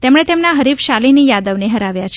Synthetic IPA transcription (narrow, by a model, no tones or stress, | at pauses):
t̪emɳ̃et̪emnaɦəɾifʃalinijad̪əʋneɦəɾaʋjat͡ʃʰ